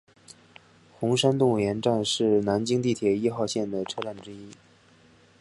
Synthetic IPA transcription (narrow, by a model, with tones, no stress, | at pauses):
xʊ˧˥ŋʂa˥nt̪ʊ˥˩ŋ˨˩jɛ˧˥nʈ͡ʂa˥˧nʂɻ̩˥˩na˧˥nt͡ɕi˥ŋt̪i˥˩t̪ʰjɛ˨˩i˥xɑ˥˧ʊɕjɛ˥˩nd̪ə˩ʈ͡ʂʰɤ˥ʈ͡ʂa˥˩nʈ͡ʂɻ̩˥i˥